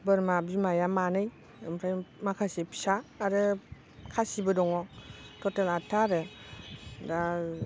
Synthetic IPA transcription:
bəɾmabimajamanɯj | ɯmɾʰajmakʰasipʰi̥saːɾɯ | kʰasibɯdɔŋɔtʰɔtelatʰːaɾɯ | da

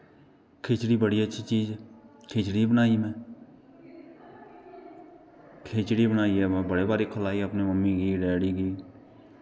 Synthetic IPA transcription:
kʰeːt͡ʃɽiːbəɽiːətːʃʰiːt͡ʃiːd͡ʒɛː | kʰeːt͡ʃɽiːbənaːiːmɛ̃ː | kʰeːt͡ʃɽiːbənaːiːɛːbəɽeːbaːɾiːkʰəlaːiəpneːməmːiːɡiːɖɛːɽiːɡiː

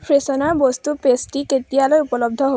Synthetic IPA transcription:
pʰɹesɔnaɹbɔst̪upesʈiketijalojupɔlɔb̚d̪ʱɔɦo

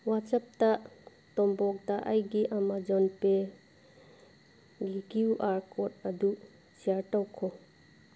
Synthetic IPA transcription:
wat͡ʃəp̚t̪aʔ | t̪ɔmbɔk̚d̪aʔajɡiʔamad͡ʒɔnpe | ɡiɡiuʔaɾkɔtɐd̪uʔ | t͡ʃijaɾʈawkʰɔ

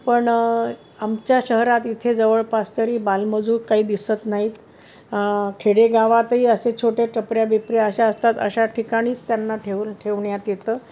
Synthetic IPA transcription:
pəɳ | amt͡ɕjaɕəɦɾat̪it̪ʰed͡zəʋəɭpast̪əɾiːbalməd͡zʱuːɾkaɦiːd̪isət̪naɦiːt̪ | kʰeɽeɡaʋat̪ɦiːəset͡ɕʰoʈeʈəpɾjabipɾijaəɕaəst̪at̪ə̰ɕaʈʰikaɽ̃iːt͡st̪janːaʈʰeʋʈʰeʋɳjat̪jet̪əː

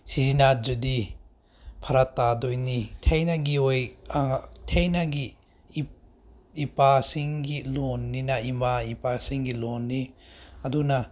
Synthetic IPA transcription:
sizinad͡ʒudi | pʰɐɾatːadojnitʰejnaɡiojatʰejnaɡi | ipasiŋɡilonːinaimaipasiŋɡilɔnːiɐduna

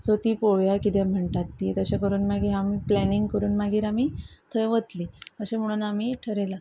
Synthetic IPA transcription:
sot̪iːpoʋjakit̪ɛm̤əɳʈ̪at̪ːiet̪əɕekəɾuːnmaɡiːɾamiːplɛniŋɡkəɾuːnmaɡiːɾamiːt̪ʰəjʋət̪liːəɕẽm̤əɽ̃uːnamiːʈʰəɾela

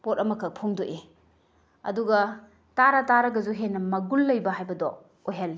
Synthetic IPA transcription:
pot̚ɐmɐkʰɐk̚pʰuŋdoʔe | ɐ̰duɡɐ | taɾɐtaɾɐɡɐzuɦenːɐmɐɡulːɐjbɐɦajbɐdɔ | ojɦalːi

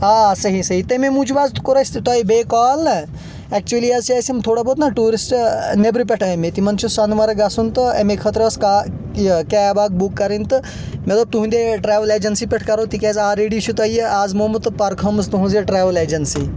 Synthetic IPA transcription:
aːsɐɦisɐɦit̪ɐmẽmũd͡ʒʰubaːzt̪koɾɐsʲt̪t̪aːibeːkaːlnɐ | ɛk̚t͡ʃuɐliɐzt͡ʃaːsʲɐmt̪ʰoːɽabot̪nɐʈuːɾisʈnebɾip̬ʲeʈʰɐmet̪imɐnt͡ʃʰusɐnʋɐɾɐɡɐsunt̪ɨɐmekʰɐt̪ɾɐɐska | kɛːbaːɡ̚bukːɐɾint̪ɨ | mɐt̪lɐb̚t̪uɦũnd̪eʈɾeːʋɐleːd͡ʒɐnsipʲeʈʰkɐɾot̪ikɛːzaːɾeːɖit͡ʃʰut̪ɐjaːzmoːmɨt̪ɨpɐɾkʰɐmst̪uɦũnzeʈɾeːʋɐleːd͡ʒɐnsiː

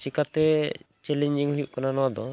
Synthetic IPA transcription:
t͡ʃikat̪ɛt͡ʃɛlɛɲd͡ʒiŋhujuʔkananɔwad̪ɔ

